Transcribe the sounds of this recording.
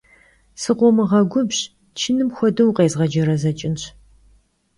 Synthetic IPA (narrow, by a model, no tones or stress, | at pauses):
sɨqʷɔmɨʁɐɡʷʊbɕ | t͡ʃʰɪnɨmxʷɔdɐwqeːzʁɐd͡ʒɐɾɐzɐt͡ʃʼɪnɕ